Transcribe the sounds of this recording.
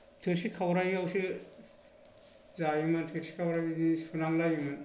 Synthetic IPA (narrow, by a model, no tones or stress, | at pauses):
tʰɯɾsikʰawɾajiawsi | zajimantʰɯɾsi̥kʰawɾajidisunaŋlajiman